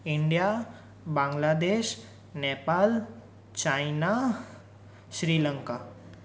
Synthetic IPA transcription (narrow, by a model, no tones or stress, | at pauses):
ɪɳɖija | bãːŋɡlaːd̪eːʃ | neːpaːl | t͡ʃaːɪna | ʃɾiːləŋka